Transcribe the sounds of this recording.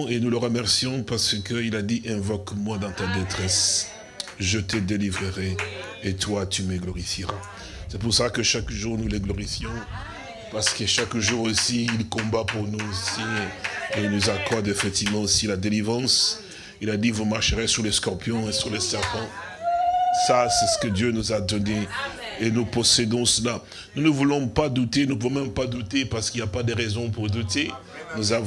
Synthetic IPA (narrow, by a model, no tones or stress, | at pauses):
enuləʁəmɛʁsijɔ̃paʁsəkəilad̪iʔɛ̃vɔkmwad̪ɑ̃t̪ad̪et̪χɛs | ʒət̪əd̪elivʁəʁɛ | et̪wat̪yməɡlɔʁifiʁa | sɛpuʁsəlakəʃakʒuʁnuleɡlɔʁifjɔ̃ | paʁsə̥kəʃakʒuːʁosiːlkɔ̃bapuʁnuosieilnuzakɔʁd̪efɛk̚t̪ivmɑ̃silad̪elivʁɑ̃s | ilad̪ivumaʁʃəʁɛsyʁleskɔʁpjɔ̃esyʁlesɛʁpɑ̃ | sasɛsə̥kəd̪jønuzad̪ɔneː | nupɔsed̪ɔ̃səla | nunəvulɔ̃pad̪ut̪enəpuvɔ̃mɛ̃mpad̪ut̪epaʁsə̥kiljapad̪əʁɛzɔ̃puʁd̪ut̪e | nuza